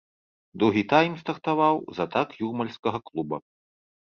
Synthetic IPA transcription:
d̪uɣʲit̪ajmst̪ɐrt̪avawzɐt̪akjurmɐlʲskɐɣɐklˠubɐ̰

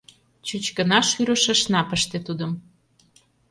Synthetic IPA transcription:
t͡ɕut͡ɕkə̆nɑʃyɾə̆ʃə̆ʃnɑpəʃt̪et̪ud̪ə̆m

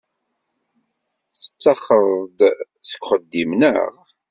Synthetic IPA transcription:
θə̥t͡sːɑχːəðd̪ | θə̥kʷːχəd̪ːimnə̰ʁ

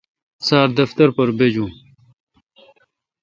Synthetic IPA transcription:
saːɾd̪ɐft̪ɐɾpɐɾbed͡ʑũː

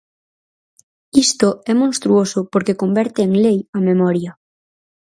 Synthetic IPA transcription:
ist̪oɛmõnst̪ɾuosʊpoɾkekombɛɾt̪eːŋlejɐmemɔɾjɐ

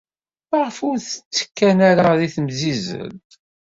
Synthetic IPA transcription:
əʁəfʊɾθə̥t͡sːə̥kːænaɾaðiθmzizə̰lt̪

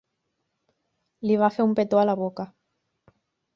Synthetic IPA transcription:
liβafeumpet̪oalaβoka

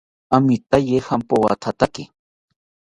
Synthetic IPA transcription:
amit̪ajehampowa̰t̪ʰat̪akɪ

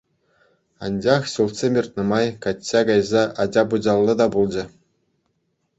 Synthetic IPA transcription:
ɑ̰nʲd͡ʑɑχɕulˠt̪sʲemʲirʲt̪̚ʲnʲɤ̆mɑjkɑt͡ɕt͡ɕːɑɡɑjzɑʔɑd͡ʑɑbud͡ʑɑlˠːɤ̆d̪ɑbulˠd͡ʑɘ̆

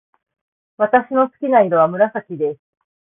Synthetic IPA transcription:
βat̪aɕino̞t͡sɨ̥kʲinaiɾo̞βamɯ̟ɾasakʲid̪esɨ̥

